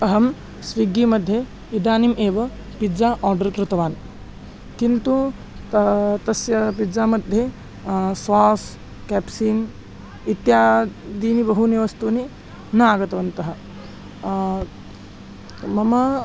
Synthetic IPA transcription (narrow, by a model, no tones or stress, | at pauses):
ɐɦɐm | sʋiɡiːmɐd̪ʱːje | id̪aːnimʔeːʋɐ | pid͡zaʔɔːɾɖɐɾkɾut̪ɐʋaːn | kint̪u | t̪ɐsjɐpid͡zaːmɐd̪ʱje | sʋaːs | kɛːpsiːn | it̪jaːd̪iːnibɐɦuniʋɐst̪uːni | nɐaɡɐt̪ɐʋɐnt̪ɐɦɐ | mɐmɐ